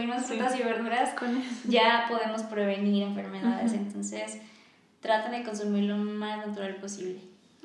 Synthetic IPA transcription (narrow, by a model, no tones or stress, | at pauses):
imosfut̪asiβeɾðuɾasknʝapo̞ðe̞mo̞spɾe̞βe̞niɾe̞ɱfe̞ɾmeðaðesent̪o̞nse̞s | t̪ɾat̪and̪e̞ko̞nsumiɾlo̞maznat̪uɾalpo̞siβle